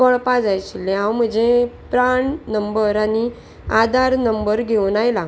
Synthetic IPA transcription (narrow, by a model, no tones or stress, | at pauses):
əɭpad͡zajt͡ɕilːẽɦãwm̤əd͡zepɾaɳnəmbəɾani | ad̪ʱaɾnəmbəɾɡʱewnajla